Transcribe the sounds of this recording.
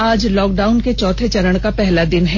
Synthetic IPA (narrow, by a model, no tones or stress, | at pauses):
aːd͡ʒlɔːk̚ɖaːʊnket͡ʃɔːt̪ʰet͡ʃɐɾəɽ̃kapɛɦlad̪ɪnɦɛː